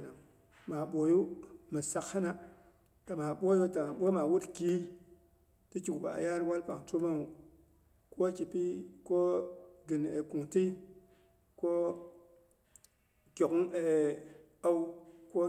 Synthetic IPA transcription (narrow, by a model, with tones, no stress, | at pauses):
na˨ŋ | ma˨ɓo˨ju˦ma˨sa˨kha˦na˦ | ta˨ma˨ɓʷo˦jo˦ta˨ɓo˦ma˨wu˦tki˦ | ti˦ki˨kba̰˨ja˦ɾwa˦lpa̰˨ŋtu˦ma˦nu˨ | ko˦ki˨pi˦ko˦ɡi˨n˨e˨ku˨ŋti˦ | ko˦ | kʲo˨kŋe˨ | a˦wko˦